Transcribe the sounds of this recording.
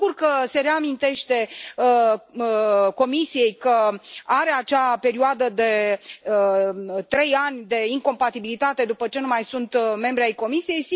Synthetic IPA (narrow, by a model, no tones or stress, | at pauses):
urkəse̞ɾe̞amint̪e̞ʃt̪e̞ | ko̞misije̞jkəaɾe̞at͡ʃape̞ɾioad̪əd̪e̞ | t̪ɾe̞janʲd̪e̞iŋko̞mpat̪ibilit̪at̪e̞d̪upət͡ʃe̞numajsunt̪me̞mbɾeajko̞misije̞jsi